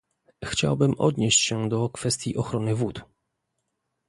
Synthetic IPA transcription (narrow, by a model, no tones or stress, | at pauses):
xt͡ɕa̰wbɘmʔɔ̰d̪ɲeɕt͡ɕɕɛd̪ɔkfɛst̪ʲjiʔɔxɾɔnɘvut̪